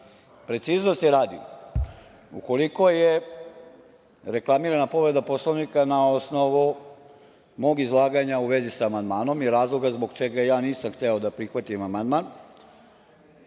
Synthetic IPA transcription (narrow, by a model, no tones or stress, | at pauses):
pɾe̞t̪siːzno̞st̪jeɾaːd̪ḭ | ṵko̞liko̞je | ɾe̞klˠamiːɾanapo̞ʋɾe̞d̪apo̞slˠoʋnikanao̞sno̞ʋu | mo̞ɡizlˠaːɡaɲauʋe̞zisaːmand̪maːno̞miɾaːzlˠo̞ɡazboɡt͡ʃe̞ɡajaːniːsamxt̪e̞o̞d̪apɾixʋat̪imamand̪man